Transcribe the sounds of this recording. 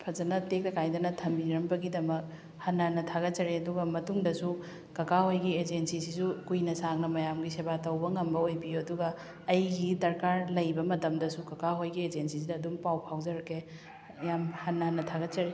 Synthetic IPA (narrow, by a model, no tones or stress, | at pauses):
pʰɐzɐnɐtek̚tɐkʰajdɐnɐtʰɐmbiɾɐmbɐɡidɐmɐk̚ | hɐnːɐhɐnːɐtʰaɡɐt͡ʃɐɾeɐduɡɐmɐtuŋdɐsu | kɐkahojɡied͡ʒensisisukujnɐsaŋnɐmɐjamɡisebatɐwbɐŋɐmbɐojbijoɐduɡɐː | jɡidɐɾkaɾlɐjbɐmɐtɐmdɐsukɐkaɦojɡied͡ʒensisidɐːdumpawpʰawd͡ʒɐɾɐkʰːe | jamhɐnːɐhɐnːɐtʰaɡɐt͡ʃɐɾe